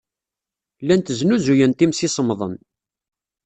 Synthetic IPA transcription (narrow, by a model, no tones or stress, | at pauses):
lːænt̪əznuzujənt̪imsisˤəmðˤə̰n